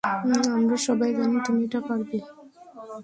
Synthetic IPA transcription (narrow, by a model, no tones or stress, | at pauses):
amɾaʃɔbajd͡ʑanit̪umiʈapaɾbe